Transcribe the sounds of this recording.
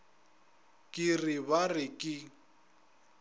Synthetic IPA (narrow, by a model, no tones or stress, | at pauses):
kʼɪrɪbarɪkʼɪ